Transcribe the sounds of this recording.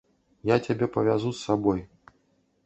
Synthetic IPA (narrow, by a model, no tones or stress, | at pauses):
jat͡sʲabʲɛpɐvʲazusːabɔj